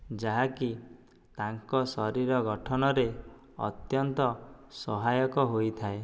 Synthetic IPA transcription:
d͡ʒaɦaki | t̪aŋkɔsɔɾiɾɔɡɔʈʰɔnɔɾe | ɔ̰t̪jɔnt̪ɔsɔɦajɔkɔɦojt̪ʰae

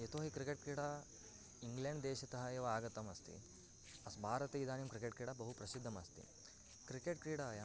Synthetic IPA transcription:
et̪oːɦikɾikeʈ̚kɾiːɽa | iŋɡleɳɖd̪eːʃɐt̪ɐɦɐjeʋɐaːɡɐt̪ɐmɐst̪ḭ | ɐsbʱaːɾɐt̪ejid̪aːnjɐmkɾikeʈ̚kɾiːɽabɐɦupɾɐsid̪ʱːɐmɐst̪ḭ | kɾikeʈkɾiːɽaːja

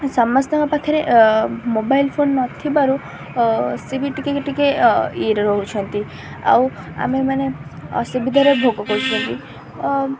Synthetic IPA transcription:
sɔmast̪aŋapakʰaɾemobailpʰonːɔt̪ʰibaɾu | sibiʈikekeʈikeiɾɾɔɦut͡ʃʰɔnt̪i | a̰w | a̰memanḛsubid̪ʱaɾɔbʱoɡɔkɔut͡ʃʰɔnt̪i

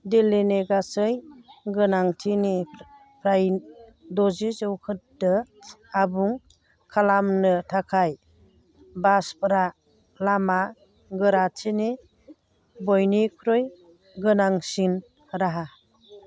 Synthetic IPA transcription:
deleneɡasɯjɡɯnaŋtʰini | pʰɾaj | dɔzizɔwkʰɯt̚dɯabuŋ | kʰalamnɯtʰakʰaj | baspɾa | lama | ɡɯɾatʰini | bɔjnikʰɾɔj | ɡɯnaŋsin | ɾaɦa

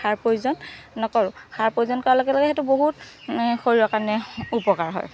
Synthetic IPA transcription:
aɹpojzɔnːɔkɔɹʊxaɹpojzɔnkɔɹalɔɡɛlɔɡɛetuboɦut | xoɹiakanɛupɔkaɹɦɔ̰j

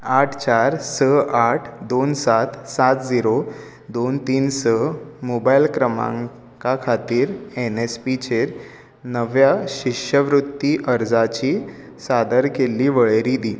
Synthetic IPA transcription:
aʈʰt͡ɕaɾsəaʈʰd̪onsat̪sat̪d͡ziɾo | d̪ont̪iːnsəmobajlkɾəmã̰ŋ | kakʰat̪iːɾenespit͡ɕeɾ | nəʋjaɕiʂəʋɾut̪ːiʔəɾd͡zat͡ɕiː | sad̪əɾkelːiːʋəɭeɾid̪iː

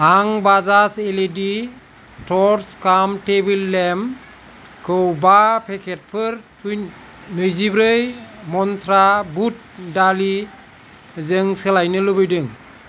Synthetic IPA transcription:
aŋbazaseledi | tʰɔɾskamtebilːɛm | kʰɯwbapʰɛkʰɛt̚pʰɯɾtʰuj | nɯjzibɾɯjmɔnt̪ʰɾabut̚dali | zɯŋsɯlajnɯlɯbɯjdɯŋ

